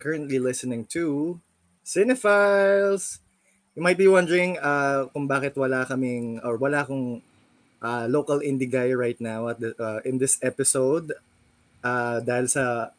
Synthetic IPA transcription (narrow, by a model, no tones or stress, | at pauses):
kʰɐɹɐ̃nt̪lilɪsɪnɪ̃ŋt̪ʰu | sɪnɛfajls | jumajt̪̚biwɐ̃nd̪əɹɪ̃ŋakʊŋbaːkɪt̪wɐlakɐmɪŋɔɹwɐlakoŋ | ʔaloːkɐlɪ̃nd̪ɪɡajɹajt̪̚nawɐt̪̚d̪aʔɪ̃nd̪ɪsɛpɪsowd̪ | ʔad̪aːhɪlsɐ